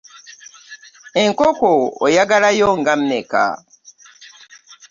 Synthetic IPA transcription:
e̞ŋkokoːjaɡalajoːŋɡam̩meka̰

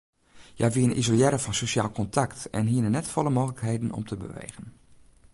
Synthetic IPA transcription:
ja̰ʋiənḭzoljɛɾəfɑnsoʃaːlˠkɔntʰaktɛ̰nɦiənənɛtfɔləmoːɣələkɦeːdən̩ɔ̰mtʰəbə̰ʋḛːɣən

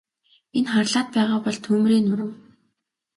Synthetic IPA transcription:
enχarɮaːt̪̚pæːʁaːpɔɮt̪ʰuːmɾiːnʊɾə̆m

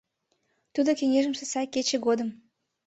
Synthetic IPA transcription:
t̪ud̪okeŋʲeʒə̆msesɑjket͡ɕĕɡod̪ə̆m

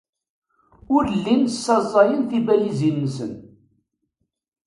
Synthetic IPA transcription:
ʊɾlːinsːɑzˤɑjənθibælizinːəsə̰n

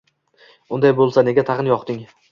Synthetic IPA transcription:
ʊnd̪ajbolˠsane̞ɡʲat̪ʰaqɨnjɒqt̪ɪŋ

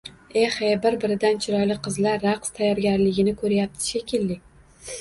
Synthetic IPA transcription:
ehebɪɾbɪɾɪd̪ant͡ʃʰɪɾɒjlɪqʰɨzlaɾːaqst̪ʰajɒɾɡʲaɾlɪɡʲɪnɪkʰɵɾjap̚t̪ʰɪ̥ʃekʲɪlːɪ

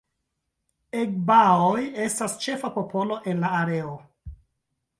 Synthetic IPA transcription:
ek̚baoje̞stast͡ʃe̞fapo̞po̞lo̞ʔe̞nlaːɾe̞o

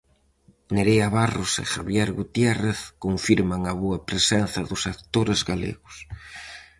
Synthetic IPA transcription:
neɾeaβarʊsḛxaβjɛɾɣut̪jɛreθkoɱfiɾmaŋɐβoɐpɾesɛnθɐðʊsakt̪oɾezɣalḛɣʊs

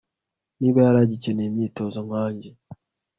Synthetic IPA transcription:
niβojaɾaːɟiceneːmiːtozoŋwaːɲɟe

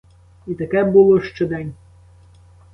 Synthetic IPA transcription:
it̪ɐkɛbulˠɔʃt͡ʃɔd̪ɛnʲ

